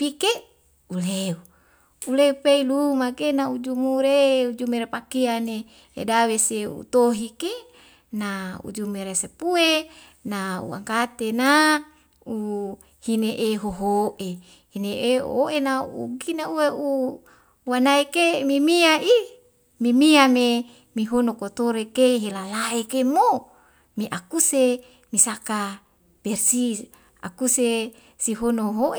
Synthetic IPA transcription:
pike | uleu | uleupeilumakenaud͡ʒumuɾeud͡ʒumeɾepakiane | ḛdaweseṵt̪oɦike | naṵd͡ʒumeɾesepue | naṵa̰ŋkat̪ena | u | hineʔeɦoɦoʔe | hineʔeo̰oʔenaṵɡinaueu | wanaikemimiaʔi | mimiame | miɦonokot̪oɾekeɦelalaekemo | miʔakuse | misaka | b̥ersi | a̰kuse | siɦonoɦoʔe

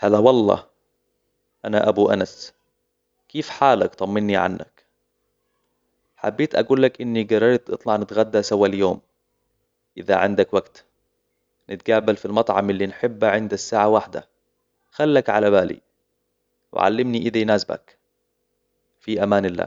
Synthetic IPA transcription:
haːðawɑlˤːɑ̰ː | ʔanaʔabuʔa̰nas | kiːfħaːlakt̪ˤɑmːɪnːiʕa̰nːa̰k | ħabːeːt̪ʔaɡuːlːakʔɪnːiɡɑrˤːɑɾt̪ʔɨ̰t̪ˤlɑʕnɪt̪ɣad̪ːasawːaljoːm | ʔɪða̰ʕɪ̰nd̪akwaɡt̪ | nɪt̪ɡaːbalfilmɑt̪ˤʕɑmʔɪlːinħɪbːaʕɪnd̪asːaːʕawaħd̪a̰ | xalːakʕalaβaːlḭ | wɪ̰ʕa̰lːɪmniʔɪðajnaːsba̰k | fiʔamaːnɪlːa̰ː

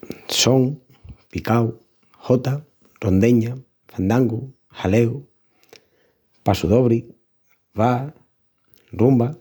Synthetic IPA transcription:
soŋ | pikaw | hot̪a | rond̪eɲa | fand̪aŋɡu | halew | pasuðoβɾi | βa | rumba

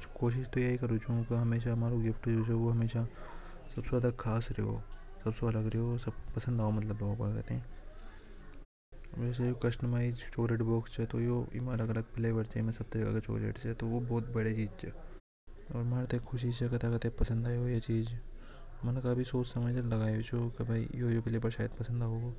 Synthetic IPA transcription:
t͡ʃkoːʃ̬ɪʃt̪ojaikɐɾot͡ʃuõkaɦɐmeːʃaɐmaːɾoɡɪfʈeod͡ʒoʋoɦɐmeːʃa | sɐbseaːd̪akʰaːsɾeɦo̰ːsɐbseɐləɡɾeɦosɐbpɐsə̃nd̪aːomɐt̪ləbːɐopa̰kɐ̰t̪eɦɛ̃ | eːseokɐʃnəmaːit͡ʃt͡ʃoːleːʈboːkst͡ʃʰɛt̪ojoimɐləɡɐləɡ̚pɪlebɐɽt͡ʃemẽsɐb̚t̪ɐɾika̰ːket͡ʃo̰ːlḛːʈt͡ʃʰɛt̪oʋobɔːt̪̚bɐɽet͡ʃiːd͡ʒt͡ʃʰɛ | ɔːɾmaːnt̪ekʰʊʃit͡ʃʰɛkɐt̪ʰakɐt̪eepɐsə̃nd̪aːiɦojet͡ʃiːd͡ʒ | mɐnkaːbʱisoːt͡ʃsɐməd͡ʒlɐɡaːeet͡ʃokɐbʱaijojopɪlebɐɾʃaːjəd̪̚pɐsə̃nd̪aːɦoɡo

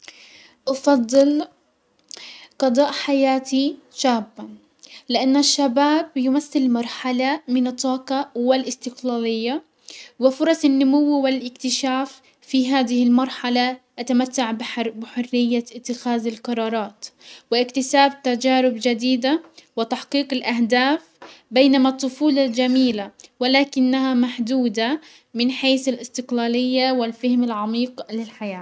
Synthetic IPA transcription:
ʔɑfɑd̪ˤːɨl | qɑd̪ˤɑːʔħajaːt̪ʰiʃaːbːa | lɪʔanːaʃːabaːbjʊmaθːɪlmɑɾˤħalamɪnɑt̪ˤːɑːqɑwɪlʔɪst̪ɪqlaːlɪjːa | wɪfʊɾˤɑsˤɪnːʊmʊwːwɪlʔɪkt̪ɪʃaːf | fiɦaːd̪ɪhɪlmɑɾˤħalaʔat̪amat̪ːaʕbbɪħʊrːɪjːaɪt̪ːɪxaːðɪlqɑɾˤɑːɾˤɑːt̪wɪʔɪkt̪ɪsaːb̚t̪ad͡ʒaːɾʊbd͡ʒad̪iːd̪awɪt̪aħqiːqɪlʔahd̪aːfbeːnamat̪ˤːʊfuːlɑd͡ʒamiːlawɪlaːkɪnːahamaħd̪uːd̪a | mɪnħeːθalʔɪst̪ɪqlaːlɪjːawɪlfɪhmɪlʕɑmiːqlɪlħajaː

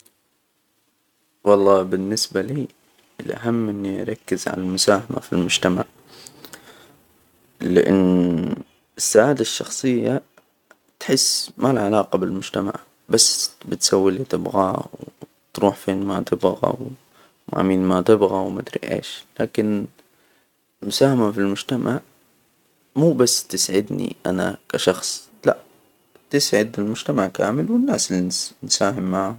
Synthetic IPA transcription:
wɑlˤːɑːbɪnːɪsbaliː | ɪlʔa̰ɦamːʔɪnːiʔa̰ɾˤɑkːɪzʕa̰nalmʊsaːhama̰filmʊd͡ʒt̪amaʕ | lɪʔɪ̰nː | ɪsːaʕaːd̪aʃːɑxsˤɨjːa | t̪ħɪsːmalʕalaːqɑbɪlmʊd͡ʒt̪ama̰ʕ | basːbɪt̪sawːilit̪ɪbɣaw | t̪ɾuːħfeːnmat̪ɪbɣa̰w | ma̰ʕmiːnmat̪ɪbɣawmad̪ɾḭʔḛːʃlaːkɪn | mʊsaːhamafilmʊd͡ʒt̪amʔaʕ | muːbasːt̪ɪsʕɪd̪nḭʔanakaʃɑxsˤ | laʔ | t̪ɪsʕɪd̪ɪlmʊʒ̥t̪amaʕka̰ːmɪlwɪnːaːsɪlːinsaːɦɪmːaʕhʊ

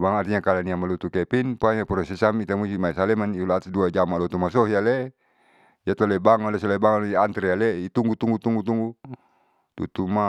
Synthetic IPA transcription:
baŋat̪iɲakalaniamalut̪ukɛpinpuaɲapɾɔsɛsamit̪amusimaɛsalɛmaniulat̪duad͡ʒamalɔt̪umasɔɦjalɛ | jat̪ɔlɛbaŋɔlɛsɔlɛbaŋaliant̪ɾɛjalɛit̪uŋɡut̪uŋɡut̪uŋɡut̪uŋɡu | t̪ut̪uma

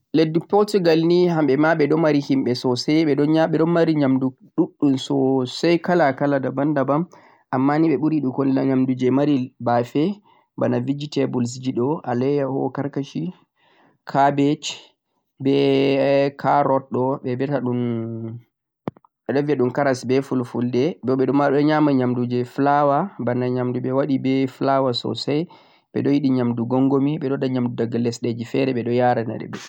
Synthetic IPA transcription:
ledːupɔtuɡalniɦamɓɛmaɓɛɗɔmaɾihimɓɛsɔsɛjɓɛɗɔnɲaɓɛɗɔnmaɾiɲamdu | ɗuɗːumsɔsajkalakaladabandabam | ʔamːaniɓɛɓuɾiɗukɔnilaɲamdud͡ʒɛmaɾibafɛ | banavid͡ʒitɛbuls̬id͡ʒiɗɔʔalɛjahɔ̰kaɾkaʃi | kʰabet͡ʃ | bɛ | kʰaɾɔɗɔɓɛbɛtaɗun | ɓɛɗɔviaɗumkaɾasbɛfulfuldɛbɔɓɛɗɔmaɗɔɲamaɲamdud͡ʒɛflawabanaɲamduɓɛwaɗibɛflawasɔ̰saj | ɓɛ̰ɗɔjiɗiɲamduɡɔŋɡomiɓɛɗɔdaɲamdudaɡalːɛsɗed͡ʒifɛɾɛɓɛɗɔjaɾana̰ɗɛ̰bɛ

